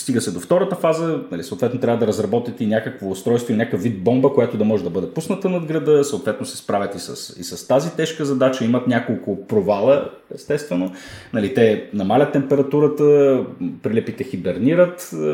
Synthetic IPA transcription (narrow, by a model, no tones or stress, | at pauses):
st̪iɡəsɛd̪oft̪ɔɾət̪əfazənɐlisoʊt̪vɛt̪not̪ɾʲavəd̪ɐɾɐzɾɐbɔt̪it̪inʲakəkvoːst̪ɾɔjst̪voilinʲakəfvːid̪̚bɔmbəkojat̪od̪ɐmɔʒɛd̪ɐbɤd̪ɛpusnət̪ənɐd̪ɡɾɐd̪ɤsɐʊt̪vɛt̪nosɛ̥spɾavʲɐt̪isə̰sḭsəst̪azit̪ɛʃkəzɐd̪at͡ʃəimɐt̪nʲakolˠkʊpɾovalˠə | ɛst̪ɛst̪vɛnonɐlit̪ɛnɐmalʲɐt̪ːɛmpɛɾɐt̪uɾət̪əpɾilɛpit̪ɛxibɛɾniɾət̪